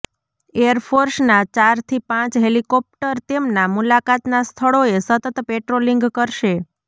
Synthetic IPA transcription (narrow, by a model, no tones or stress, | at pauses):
eəɾfʰoɾsnat͡ʃaɾt̪ʰipãt͡ʃɦelikɔp̚ʈəɾt̪emnamulakat̪nast̪ʰəɭoesət̪ət̪peʈɾoliŋɡkəɾʃe